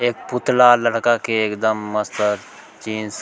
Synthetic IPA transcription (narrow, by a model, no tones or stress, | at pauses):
eːk̚pʊt̪lalɐɽkakeeːkd̪əmːɐst̪əɾ | t͡ʃiːns